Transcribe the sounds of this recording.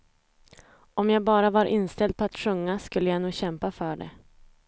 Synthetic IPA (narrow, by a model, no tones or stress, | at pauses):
ɔmjabɑːɾavaɾʔɪnːst̪ɛld̪̚pʰɔat̪ɧɵŋːaskɵlːəjanuːɡɕɛmpafœɖɛ̰